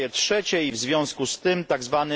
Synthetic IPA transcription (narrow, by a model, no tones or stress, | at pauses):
ɛtʂɛt͡ɕɛivzvʲjɔ̃w̃skust̪ɘmt̪aɡzvanɘ